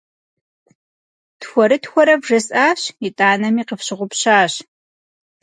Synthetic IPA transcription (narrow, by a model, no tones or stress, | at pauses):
txʷɔɾɨtxʷɔɾɐvʐɐsʼʔaːɕɪtʼaːnɐmiːqəfɕɪʁʷʊpɕaːɕ